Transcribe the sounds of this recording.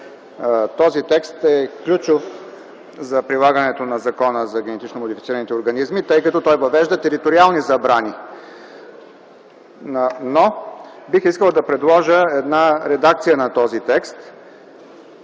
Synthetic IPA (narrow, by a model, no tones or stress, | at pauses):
t̪ɔzit̪ɛkst̪ɛklʲut͡ʃof | zɐpɾilˠaɡənɛt̪onɐzɐkɔnəzɐɡʲɛnɛt̪it͡ʃnomod̪ifit̪siɾənit̪ɛoɾɡɐnizmit̪ɤjkɐt̪ɔt̪ɔjvɐvɛʒd̪ət̪ɛɾit̪oɾialˠnizɐbɾani | no | bixiskəlˠd̪ɐpɾɛd̪lˠɔʒəɛd̪naɾɛd̪ak̚t̪sijənɐt̪ɔzit̪ɛkst̪